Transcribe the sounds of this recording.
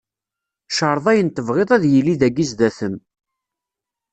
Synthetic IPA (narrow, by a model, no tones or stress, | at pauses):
ʃəɾˤðˤæjənt̪ːəvʁeðˤæðjəlːiðæɡizðæθəm